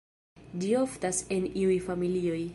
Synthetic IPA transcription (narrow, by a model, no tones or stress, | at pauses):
dioftaseniujfamilioj